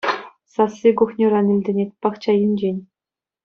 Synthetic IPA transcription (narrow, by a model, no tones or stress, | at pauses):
sɑsːʲiɡuχnʲiɾɑnĭlʲdʲɘ̆nʲet̪̚ʲpɑχt͡ɕɑjɘ̆nʲd͡ʑenʲ